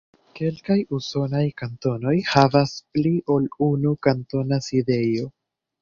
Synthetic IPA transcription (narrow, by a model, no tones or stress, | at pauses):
ke̞lkajuso̞najkanto̞no̞jhavaspliʔo̞lunukanto̞naside̞jo̞